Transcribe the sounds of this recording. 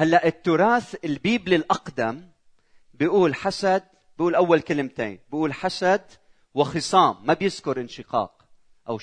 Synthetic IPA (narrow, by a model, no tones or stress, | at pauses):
halːaʔɪt̪ːʊɾˤɑːθɪlbiːblilʔɑqd̪am | bɪʔuːlħasad̪̚ | bɪʔuːlʔawːalkɪlɪmt̪ḛːnbɪʔuːlħasad̪ | wɪxɨsˤɑːmːabjɪzkʊɾʔɪnʃɪqɑ̰ːq̚ | ʔaw